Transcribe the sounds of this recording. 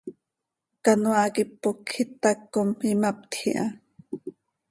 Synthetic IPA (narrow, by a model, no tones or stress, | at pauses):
kanwakipːokʰːit̪ːakːomimap̚t̪xiʔa